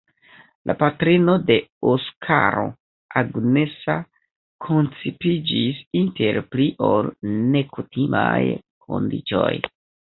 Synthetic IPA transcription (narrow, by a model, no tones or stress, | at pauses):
lʔa̰patɾino̞de̞oskʰa̰ɾo̞̰ | ʔaɡne̞sa | kʰo̞nt͡sipid͡ʒisinte̞ɾpliʔo̞lne̞kutʰimaj | kʰo̞̰ndḭt͡ʃo̞̰j